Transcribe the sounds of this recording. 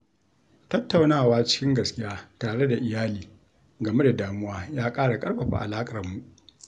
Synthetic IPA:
tɐ˦tːa˨wnaː˦˨waː˦t͡ʃɪ̥˦kʲɪ˦ŋɡɐ˨skʲɪ˦jaː˦taː˨ɽe˦da˨ʔɪ˨jaː˦liː˨ | ɡɐ˨me˦da˨daː˨mʊ˦waː˦jaː˦kʼaː˦ɽa˨kʼɐ˦ɽɸɐ˨ɸa̰˦˨ʔa̰˨laː˦kʼɐ˨rmu˨ʔ

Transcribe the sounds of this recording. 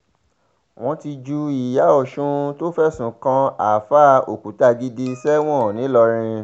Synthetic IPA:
w̃ɔ̃˧ti˧d͡ʒu˧i˨ja˨˦ɔ˨ʃũ˧to˦fɛ˦˨sũ˨kã˧a˨fa˦o̰˨ku˨˦ta˧ɡi˧di˧sɛ˦w̃ɔ̃˦˨nĩ˨˦lɔ˧ɾ̃ĩ˧

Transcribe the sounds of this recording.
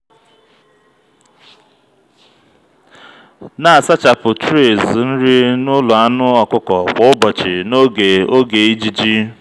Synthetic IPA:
na˨a˨sa˦t͡ʃa˨pʊ˨tɾe˦˨zn̩˦ɾi˦nʊ˦lʊ˨a˦nʊ˦ɔ˨kʊ˦kɔ˨k͡pɔ˦ʊ˦bɔ˨t͡ʃɪ˨no˦ɡe˨o˦ɡe˨i˦d͡ʒi˨d͡ʒi˦

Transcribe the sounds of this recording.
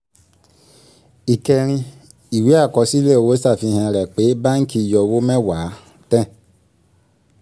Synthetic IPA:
i˨kɛ˧ɾ̃ĩ˧ | i˨wi˨˦a˦˨kɔ˨˧si˦le˦˨o˨wo˦sa˦˨fi˧˨hɛ̃˧ɾɛ˨k͡pe˨˦ba˦ŋ̩˦ki˧˨jɔ˧wo˦mɛ̃˦wa˨˦ | tɛ̃˦˨

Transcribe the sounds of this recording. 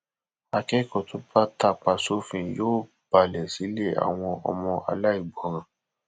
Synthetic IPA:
a˧kɛ˦kɔ˨tʰo˨˦ba˦ta˧k͡pa˧so˨˦fĩ˧˨joː˦˨ | b̥a˨lɛ˨si˨˦le˦˨a̰˨w̃ɔ̃˧ɔ̰˧mɔ̃˧ʔa̰˧la˦i˦˨ɡ͡bɔ˨˦ɾ̃ã˨

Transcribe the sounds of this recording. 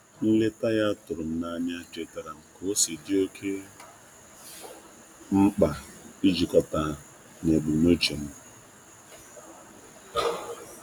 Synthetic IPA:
n̩˦le˦ta˦ja˦tʊ˨ɾʊ˨m̩˦na˦˨ɲa˦te˨ta˨ɾa˨ŋ̩˨ko˦si˨dɪ˦o˦kʰe˦ | m̩˦k͡pa˨i˦d͡ʒi˨kɔ˨ta˨ | ne˨bu˨mo˦t͡ʃi˨m̩˦

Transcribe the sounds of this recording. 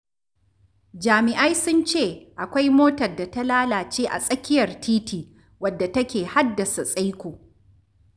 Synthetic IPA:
d͡ʒaː˨mɪ˨ʔa˦jsʊ˦nt͡ʃeː˦˨ʔa˨kʷa˦jmoː˦tɐ˨rda˨ta˦laː˦laː˨t͡ʃeː˦ʔa̰˨sʼɐ˦kʲɪ˦jɐ˨rtʰiː˦tiː˨ | wɐ˨dːa˨tɐ˦kʲeː˨ha˦dːɐ˨sa˨sʼa˦jkʷoː˨

